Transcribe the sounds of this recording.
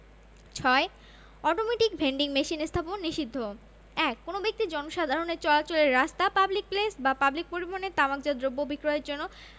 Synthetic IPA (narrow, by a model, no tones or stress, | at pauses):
t͡ɕʰɔe | ɔʈomeʈikbʱeɳɖiŋmeʃinest̪ʰaponːiʃid̪ʱːo | ɛkːonobek̚t̪id͡ʑɔnoʃad̪ʱaɾoneɾt͡ɕɔlat͡ɕoleɾɾast̪apablik̚plesbapablik̚poɾibonet̪amak̚d͡ʑad̪ɾobːobʱikɾoɦeɾd͡ʑonːo